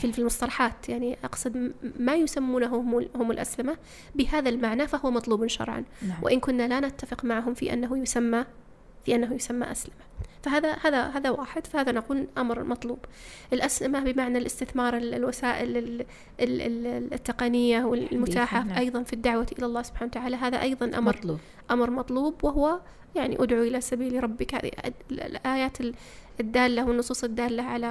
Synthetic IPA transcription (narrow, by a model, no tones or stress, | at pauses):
filfilmʊsˤt̪ɑlɑħɑːt̪jaʕniʔɑqsˤɨd̪majʊsamːuːnaɦʊmhʊmɪlʔa̰slɪma | bɪhaːðalmaʕnafahʊwːmɑt̪ˤluːbnʃɑ̰ɾˤʕɑ̰nwʔɪ̰ʔɪnkʊnːalanɪt̪ːafɪqmaʕɦʊmfiʔa̰nːaɦujʊsamːa | fiʔanːaɦujʊsamːa̰ʔaslɪmafaɦaːðahaːðaɦaːðawaːħɪd̪fahaːðanaquːlʔamɾmɑt̪ˤluːbʔɪlʔaslɪmabɪmaʕnalʔɪst̪ɪθmɑːɾˤɪllwasaːʔɪlɪ | ɪt̪ːɪqɑnɪjːawɪllmʊt̪aːħaʔɑjðˤɑnfid̪ːaʕwaʔɪlalˤːɑːsʊb̥ħaːnawt̪aʕaːlaɦaːða̰ʔɑjðˤɑnʔa̰mɾ | ʔamɾmɑt̪ˤluːbwɪɦʊwa | jaʕnḭʔʊd̪ʕuʔɪlasabiːlɾˤɑbːɪkha̰ːðḭʔaːjaːt̪ɪ | d̪ːaːlːawɪnːʊsˤuːsˤɪd̪ːaːlːaʕala